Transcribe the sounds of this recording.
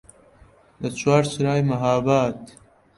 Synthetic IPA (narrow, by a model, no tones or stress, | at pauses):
d̪ɐt͡ʃwaːɾsɾaːjmɐɦaːbaːt̪